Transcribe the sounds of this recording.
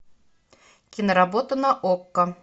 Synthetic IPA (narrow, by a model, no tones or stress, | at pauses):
kʲɪnəɾabot̪ənɐʔokːə